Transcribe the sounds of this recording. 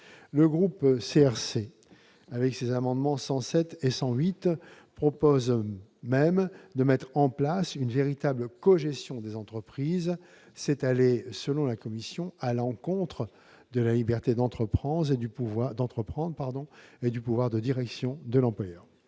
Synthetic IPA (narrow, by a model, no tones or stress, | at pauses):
ləɡʁupseɛʁse | avɛksezamɑ̃d̪mɑ̃sɑ̃sɛt̪esɑ̃ɥit̪ | pχɔpozmɛmd̪əmɛt̪χɑ̃plasynveʁit̪abləkɔʒɛst̪jɔ̃d̪ezɑ̃t̪χəpχiz | sɛt̪alesəlɔ̃lakɔmisjɔ̃alɑ̃kɔ̃t̪χə | d̪əlalibɛʁt̪ed̪ɑ̃t̪χəpχɑ̃d̪ʁed̪ypuvwad̪ɑ̃t̪χəpχɑ̃d̪ʁpaʁd̪ɔ̃ed̪ypuvwaʁd̪əd̪iʁɛksjɔ̃d̪əlɑ̃plwajœːʁ